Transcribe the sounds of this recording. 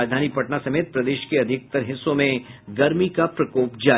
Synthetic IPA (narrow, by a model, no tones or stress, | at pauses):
d͡ʒd̪ʱaːnipɐʈnasɐmeːt̪̚pɾɐd̪eːʃkeɐd̪ʱɪk̚t̪ɐɾɦɪsːõmẽɡɐɾmikapɾɐkoːpd͡ʒaː